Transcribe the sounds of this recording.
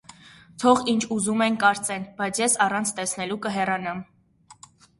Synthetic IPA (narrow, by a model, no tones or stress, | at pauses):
t̪ʰɔʁint͡ʃʰuzumɛnkɑɾt͡sɛnb̥ɑjt͡sʰjɛsɑrɑnt͡sʰt̪ɛsnɛlukəɦɛrɑnɑm